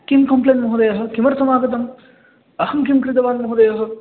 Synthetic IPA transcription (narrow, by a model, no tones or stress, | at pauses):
kimkɐmplenmɐɦud̪ɐjɐɦɐ̆kimɐɾsɐmaːɡɐt̪̬ɐm | ɐhɐmkimkɾit̪ɐʋaːnmɐɦud̪ɐjɐɦɐ̆